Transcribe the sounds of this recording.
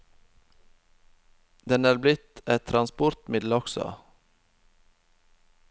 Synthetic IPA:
d̪ɛnæːɾblɪt̪ɛt̪ʰɾɑnspɔɾt̪mɪd̪l̩ɔksɔ̰

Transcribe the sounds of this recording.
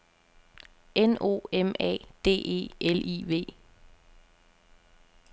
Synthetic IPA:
eno̝̰ːemɛ̰ːd̥e̝̰ːʔe̝̰ːʔelʔḭːʋe̝̰ː

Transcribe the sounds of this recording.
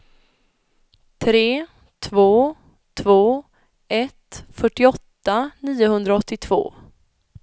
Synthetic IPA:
t̪ʰɾeː | t̪ʰvoː | t̪ʰvoː | ʔɛt̪fœʈːɪɔt̪ːaniːʊɦɵnd̪ɾaɔt̪ːɪt̪ʰv̥o̰ː

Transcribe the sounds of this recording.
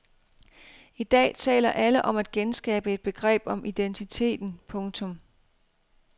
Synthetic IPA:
id̥ɛ̰ːt͡sʰɛ̰ːlɐʔæləʔɒ̽mæd̥̚ɡ̥ensɡ̥ɛ̰ːb̥əe̝d̥̚b̥e̝ɡ̥ʁɛ̰ːb̥ɒ̽mʔid̥ent͡sʰit͡sʰe̝̰ːd̥n̩pʰɔ̽ŋt͡sʰɔ̽m

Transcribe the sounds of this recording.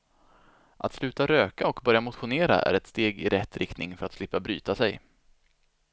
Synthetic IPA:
ʔa̰t̪slʉ̟ːt̪aɾøːkaɔkbœɾjamʊt̪ɧʊneːɾa̰ʔæ̰ɾɛt̪st̪eːɡɪɾɛt̪ːɾɪkt̪nɪŋfœɾat̪slɪpːabɾy̰ːt̪asɛj

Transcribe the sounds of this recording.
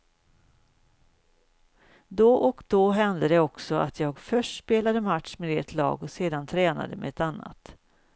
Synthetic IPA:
d̪ɔʔɔkd̪̥ɔɦɛnd̪əd̪ɛɔksɔa̰t̪ʰjɑːɡfœʂʈspeːlad̪əmat̪ʂmeːd̪eːʈ̪ʰlɑ̰ːɡɔseːd̪ant̪ʰɾɛːna̰d̪əmɛ̰ɛt̪anːa̰t̪

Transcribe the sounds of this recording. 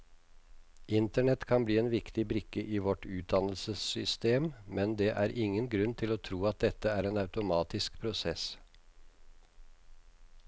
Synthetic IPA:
ʔɪnt̪əɳɛt̪kʰɑnbliːeːnʋɪkt̪ɪbɾʏkːəʔiːʋɔʈʉːt̪̚d̪ɑnəlsəsʏst̪eːmmɛnd̪ɛːʔæːɾʔɪŋːənɡɾʉnt̪ʰɪloːt̪ʰɾuːɑt̪̚d̪ɛt̪ːəæːɾeːnɑʉt̪ʊmɑːt̪ɪskpʰɾʊsɛs

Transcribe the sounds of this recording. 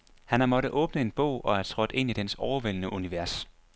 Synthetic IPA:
hænæmɒ̽ɾəʔɔ̽ːb̥nəe̝nb̥ɔ̰ʊ̰ʔɒ̽æɐt͡sʰʁɔ̽d̥e̝n̰id̥ensɒʊɐʋel̰nəʔuniʋæɐs

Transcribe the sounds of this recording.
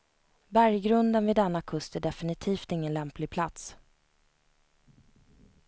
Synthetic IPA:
bæɾjɡɾɵnd̪ənvɪd̪ɛnːakʰɵst̪æɖɛfɪnɪt̪ʰiːft̪ɪŋːənlɛmplɪɡ̚pʰlat̪s

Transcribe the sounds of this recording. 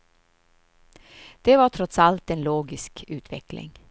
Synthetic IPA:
d̪̥ɛvaʈʰɾɔt̪salt̪ɛnloːɡɪskʰʉ̟ːt̪ʰvɛ̰klɪ̰ŋ

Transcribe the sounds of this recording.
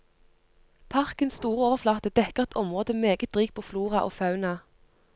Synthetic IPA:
pʰɑʁkənst̪uːʁəoːʋəʁflɑːt̪əd̪ɛkəʁɛt̪ɔmʁoːd̪əmeːɡət̪̚d̪ʁiːk̚pʰoːfluːʁɑʔo̰ːfɑʉnɑ

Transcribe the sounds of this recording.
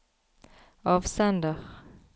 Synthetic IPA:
ɑvsɛnd̪əʁ

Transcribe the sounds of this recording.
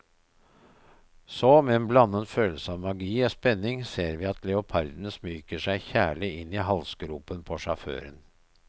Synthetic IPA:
sɔmɛːɛːnblɑnːənføːl̩səɑːʋmɑɡiːoːspɛnːɪŋseːɾʋiːɑt̪lɛʊpʰɑɾd̪n̩smyːkəʂæɪçæːɭɪɪnːiːɦɑlsɡɾuːpənpʰɔʂɑfø̰ːɾən

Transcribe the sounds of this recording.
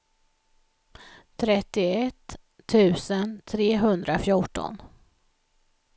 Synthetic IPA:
t̪ʰɾɛt̪ːɪɛt̪ʰː | ʉ̟ːsənt̪ʰɾeːɦɵnd̪ɾafjʊʈɔ̰n

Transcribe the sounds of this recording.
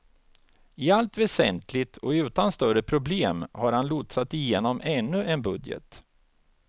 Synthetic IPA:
ɪalt̪vɛsɛ̰nt̪ʰlɪt̪ʰɔɪʉ̟ːt̪anst̪œɾəpʰɾʊbleːmhaɾhanlut̪sat̪ɪjeːnɔmʔɛnːɵʔɛnbɵd̪jə̰t̪

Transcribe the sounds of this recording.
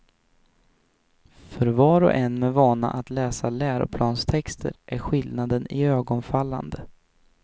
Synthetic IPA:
fœɾvɑːɾɔ̰ʔɛnmɛvɑːna̰ʔat̪lɛːsalæːɾʊ̰pʰlɑːnst̪ʰɛkst̪ʰə̰ɾʔæɾɧɪld̪nad̪ənɪøːɡɔnfalːa̰nd̪ə

